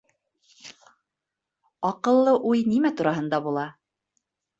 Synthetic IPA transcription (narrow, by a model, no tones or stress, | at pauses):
ɑqɤ̆lˠːɤʔujnimæt̪uɾɑɦɤ̆nd̪ɑbulˠɑ